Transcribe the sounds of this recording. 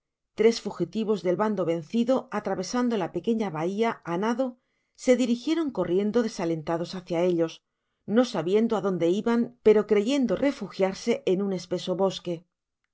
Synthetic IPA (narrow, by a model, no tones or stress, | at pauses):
t̪ɾe̞sfuxit̪iβo̞zðe̞lβand̪o̞βe̞nθiðo̞at̪ɾaβe̞sand̪o̞lape̞ke̞ɲaβaiaanaðo̞ | se̞ðiɾixje̞ɾo̞ŋko̞rje̞nd̪o̞ðe̞sale̞nt̪aðo̞saθjae̞ʎo̞s | no̞saβje̞nd̪oaðo̞nd̪e̞iβampe̞ɾo̞kɾe̞ʝe̞nd̪o̞rʔe̞fuxjaɾse̞ʔːnune̞spe̞so̞βo̞ske̞